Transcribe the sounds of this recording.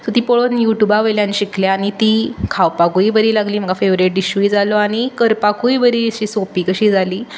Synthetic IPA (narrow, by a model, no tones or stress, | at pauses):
sɔt̪iːpoɭonjuʈjubaʋəjljãnɕikʰljaaɽ̃it̪iːkʰawpakuibəɾiːlaɡliːm̤əɡafeʋɾeʈ̚ɖiɕuid͡zaloaɽ̃ikəɾpakuibəɾiːɕiːsopiːkəɕiːd͡zaliː